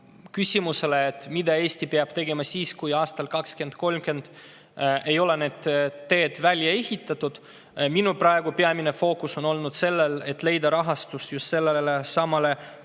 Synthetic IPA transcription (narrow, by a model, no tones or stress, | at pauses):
kysʲimuse̞leːt̪ːˑmid̪̥ɑe̞ːsʲt̪ipeɑb̥t̪e̞ɡe̞mɑsiːskujɑːst̪ɑlkɑkskend̪̥̚ko̞lmke̞nd̪̥ | ʔe̞jo̞le̞ne̞ːd̪̥t̪ːe̞ːd̪̥vælʲjɑe̞hit̪ːˑɑt̪ːˑud̪̥ | minuprɑe̞ɡupeɑmine̞fo̞ːkuso̞no̞lnud̪̥se̞lːele̞t̪ːˑle̞jd̪ɑɾɑɦɑst̪ust̪just̪se̞lːelesɑmɑle̞